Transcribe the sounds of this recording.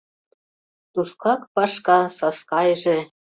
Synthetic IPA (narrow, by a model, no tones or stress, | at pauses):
t̪uʃkɑkpɑʃkɑsɑskɑjʒĕ